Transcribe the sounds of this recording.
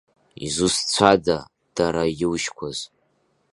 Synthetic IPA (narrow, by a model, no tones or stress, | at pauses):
ḭzust͡sʷʰada | d̥aɾajɪwʃkʷʰaz